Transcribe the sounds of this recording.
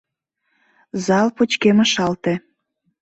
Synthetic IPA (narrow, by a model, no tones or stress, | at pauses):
zɑlpot͡ɕkeməʃɑlt̪e